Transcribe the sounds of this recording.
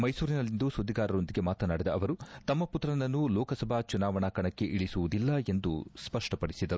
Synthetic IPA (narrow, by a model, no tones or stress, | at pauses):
mɐjsuːɾinɐlːind̪usud̪ːiɡaːɾɐɾo̞nd̪iɡe̞maːt̪ɐnaːɽid̪ɐɐʋɐɾut̪ɐmːɐput̪ɾɐnɐnːulɔːkɐsɐbʱat͡ʃunaːʋɐɳaːkɐɳɐkːe̞ʔiɭisuʋud̪ilːɐe̞nd̪ṵspɐʂʈɐpɐɽisid̪ɐɾu